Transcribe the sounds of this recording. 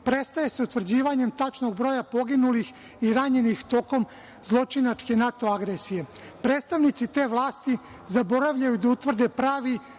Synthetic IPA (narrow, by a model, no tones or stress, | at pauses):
pɾet̪st̪aje̞seut̪ʋr̩d͡ʑiːʋaɲe̞mt̪at͡ʃno̞ɡ̚bɾo̞ːjapo̞ɡinulix | iɾaɲe̞nixt̪o̞ko̞m | zlˠo̞t͡ʃinat͡ʃke̞nat̪o̞aɡɾesije̞ | pɾe̞ːt̪st̪aʋnit̪sit̪e̞ːʋlˠaːst̪i | zabo̞ɾaʋʎajud̪aut̪ʋr̩d̪e̞pɾaːʋi